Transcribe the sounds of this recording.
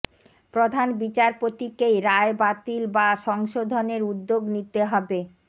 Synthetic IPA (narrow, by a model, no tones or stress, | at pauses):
pɾod̪ʱanbit͡ɕaɾpot̪ikejɾaebat̪ilbaʃɔŋʃod̪ʱoneɾud̪ːoɡnit̪eɦɔbe